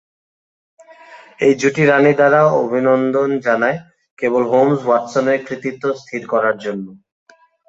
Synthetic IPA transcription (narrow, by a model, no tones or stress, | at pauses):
ejd͡ʑuʈiɾanid̪aɾao̰bʱinond̪ond͡ʑanae | kebolɦomswaʈsoneɾkɾit̪it̪ːost̪ʰiɾkɔɾaɾd͡ʑonːo